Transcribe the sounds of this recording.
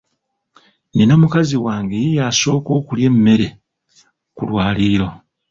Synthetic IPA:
nenomukaziwaːŋɡejijaːso̞ːko̞ːkulje̞mːe̞ɾe̞ | kṵlwaːliːɾo̞

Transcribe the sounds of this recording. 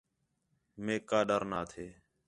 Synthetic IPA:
mẽːkaːɗəɾnaːt̪ʰeː

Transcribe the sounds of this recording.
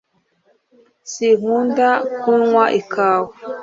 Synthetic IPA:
sihundakunwaʔikaːwu

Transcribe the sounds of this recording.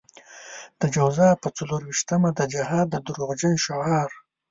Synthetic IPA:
d̪̥əd͡ʒawzɑpət͡saluɾwiʃt̪amad̪əd͡ʒahɑd̪ːəd̪uɾuʁd͡ʒanʃaɑɾ

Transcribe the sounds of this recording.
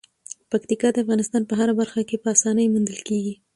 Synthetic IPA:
pakt̪ikɑd̪əafɣɑnɪst̪ɑnpəɦaɾabaɾxakepəɑsɑnəjmund̪əlkeɡi

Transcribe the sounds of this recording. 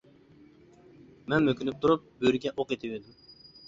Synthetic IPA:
mɛnmøkʲynyp̚t̪ʰuɾup̚bøɾɡʲɛʔoqet̪ʰɪved̪ym

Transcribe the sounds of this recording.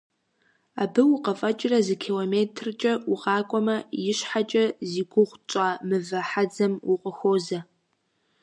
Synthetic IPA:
aːbɨwʊqɐfʼɐt͡ʃʼɪrɐzɨkʰilomeːtʰrt͡ʃʼɐuʁɑːkʷʼɔmɐjɪɕħat͡ʃʼɐziːɡʷʊʁʷt͡ʃʷʼaːmɨvɐħad͡zɐmʊqʷʼəxoːzɐ

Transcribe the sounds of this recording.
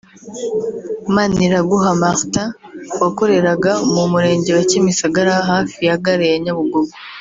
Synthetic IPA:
maniɾaɡuɦamaxta | wako̞ɾe̞ɾaɡamumuɾe̞ːɲɟe̞wacimisaɡaɾahaːfijaɡaɾejaɲaβuɡoɡo

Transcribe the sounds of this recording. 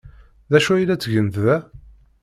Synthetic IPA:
ðæʃuilæt͡sːəʝənððæ

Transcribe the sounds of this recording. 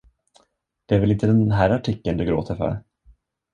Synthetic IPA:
d̪̥ɛæɾvɛlɪnt̪əd̪ɛnɦæːɾaʈʰɪkːənd̪ɵɡɾo̰ːt̪ʰəɾfœ̰ɾ

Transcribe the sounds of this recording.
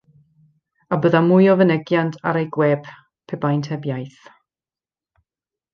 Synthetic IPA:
abəðamʊjɔvənɛɡjantʰa̰ɾejɡwɛb̥ | pʰɛbajntʰɛbjajθ

